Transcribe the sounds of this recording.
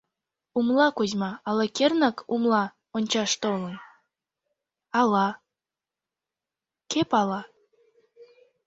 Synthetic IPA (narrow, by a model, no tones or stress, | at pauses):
umlɑkuzʲmɑɑlɑkernɑkumlˠɑ | onʲt͡ɕɑʃt̪olə̆n | ɑlɑ | kepɑlɑ